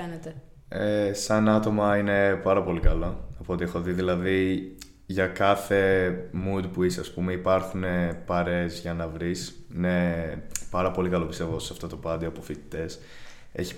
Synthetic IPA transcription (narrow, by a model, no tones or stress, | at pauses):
enet̪e | esɐnɐt̪o̞mɐine̞pɐɾɐpo̞likɐlo̞ɐpo̞t̪iexo̞ðiðilɐði | ʝɐkɐθe̞mud̪puisɐspumeipɐɾxune̞pɐɾe̞zʝɐnɐvɾisinepɐɾɐpo̞likɐlo̞pist̪e̞voossɐft̪o̞t̪o̞pɐd̪ioɐpofit̪i̥t̪e̞s | e̞̰çi̥